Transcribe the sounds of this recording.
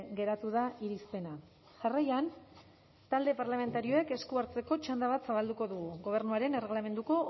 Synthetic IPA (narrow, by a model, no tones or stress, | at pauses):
ɡe̞ɾat̪uðaʔiɾispe̞na | ʝarajan | t̪ald̪e̞paɾlame̞nt̪aɾio̞e̞ke̞skuaɾt͡se̞ko̞t͡ʃand̪aβ̞at̪saβ̞ald̪uko̞ðuɣuɣo̞β̞e̞ɾnuaɾe̞nere̞ɣlame̞nd̪uko̞